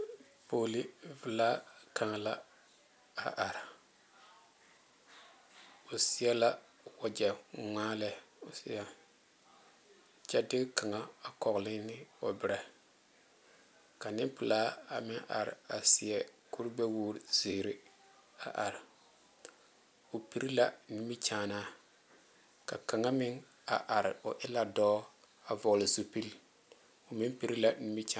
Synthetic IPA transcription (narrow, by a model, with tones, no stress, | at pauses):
poː˨li˦vɪ˨laː˦ka˨ŋa˨la˦ | a˨ʔa˨ɾɪ˨ | o˨si˦jɛ˦la˦ | wa˨d͡ʒɛ˨ŋaː˦lɛ˦˨o˨si˦ja˦ | t͡ʃɛ˦dɪ˦kka˨ŋa˨a˨kɔ˨ɣlɪ˦nɪ˦o˨bɪ˨ɾa˨ | ka˨nɪ˦pʊ˨laː˦a˨mɪ˦ŋʔa˨ɾɪ̰˨a˨sɪ˨ɛ˨ku˦ɾbɛ˦wuː˦ɾz̥i˨ɾɪ˦ | a̰˨ʔa˨ɾɪ˨ | ʊ˨pi˨ɾi˦la˦ni˦mi˦t͡ʃaː˨˦˨naː˦ | ka˨ka˨ŋa˦mɪ˦ŋ | a˨ʔa˨ɾɪ˨ʊ˨ʔɪ˦la˦dɔː˦ | a˨vɔ˨lɪ˨zu˦pi˦l | ʊ˨mɪ˦mpi˦ɾi˦la˦ni˦mi˦t͡ʃa˨